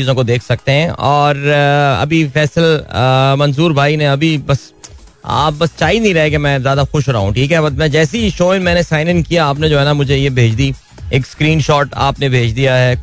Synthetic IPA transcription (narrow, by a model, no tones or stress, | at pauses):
iːzõkod̪eːkʰsɐk̚t̪eɦɛ̃ʔɔːɾɐ̰bʱifɛːsəlmɐ̃nzuːɾbʱaːineɐbʱibɐs | a̰ːp̚bɐst͡ʃaːinɐĩɾɐɦek̬emɛ̃ːzjaːd̪axʊʃɾa̰ɦũʈʰiːkɦɛbɐmɛ̃d͡ʒɛːsiʃoːɪ̃nmɛ̃ːnesaːɪnɪ̃ŋkijaaːpned͡ʒoːɦɛnamʊd͡ʒʱejebʱeːd͡ʒd̪i | eːkskɾiːnʃɔːʈa̰ːpnebʱeːd͡ʒʰd̪ijaɦɛː